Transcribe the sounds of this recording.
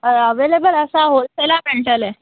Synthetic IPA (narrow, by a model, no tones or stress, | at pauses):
əʋelebələsaɦolselameɳʈəle